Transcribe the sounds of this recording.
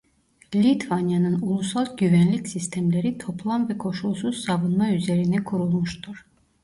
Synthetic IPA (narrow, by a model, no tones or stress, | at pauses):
lʲit̪vanjanɯnulˠusalˠɟyvænlʲicsist̪ʰæmlʲe̞ɾit̪ʰo̞plˠanvɛkʰo̞ʃulˠsuzsavɯnmayze̞ɾinɛkʰuɾulˠmuʃt̪ʰuɾ̥